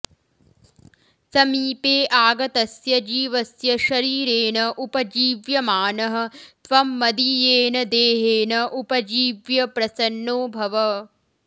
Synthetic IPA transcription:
sɐmiːpeːʔaːɡɐt̪ɐsjɐd͡ʒiːʋɐsjɐʃɐɾiːɾeːnɐʔupɐd͡ʒiːʋjɐmaːnɐɦɐ̆t̪ʋɐmːɐd̪ijeːnɐd̪eːɦeːnɐʔupɐd͡ʒiːʋjɐpɾɐsɐnːoːbʱɐʋɐ

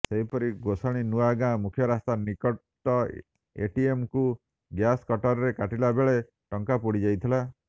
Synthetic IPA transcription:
seɦipɔɾiɡosɔɽ̃inuaɡãmukʰjɔɾast̪anikɔ | ʈːɔ | ḛʈiemku | ɡjaskɔʈɔɾɔɾekaʈilabeɭe | ʈɔŋkapuɽid͡ʒajt̪ʰila

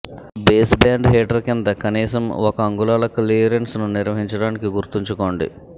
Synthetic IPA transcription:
beːsbaːɳɖɦeːʈɐɾkind̪ɐkɐniːsɐmɔkɐːŋɡulaːlɐkliɐɾensnuniɾʋɐɦiɲt͡ʃɐɽaːnikiɡuɾt̪iɲt͡ʃuko̞ːɳɖḭ

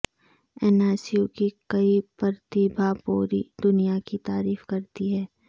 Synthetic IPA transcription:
ɛːnaːsijokikɐipɐɾt̪ibʱapoːɾḭd̪ʊnijakit̪aːɾiːfkɐɾt̪iɦɛː

